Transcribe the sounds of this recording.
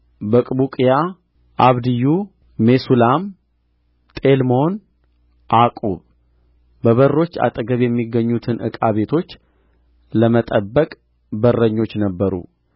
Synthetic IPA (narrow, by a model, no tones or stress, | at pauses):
bəkʼbukʼija | ʔaβd̪ɨjuː | esulam | t̪ʼe̞lmo̞n | ʔakʼuβ | bəβərːo̞t͡ʃːa̰t̪ʼəɡəβjɛmːiɡəɲːut̪ʰɨnʔɨ̰kʼaβe̞t̪ʰo̞t͡ʃː | ləmət̪ʼəbːəkʼ | bərːəɲːo̞t͡ʃːnəbːəɾṵ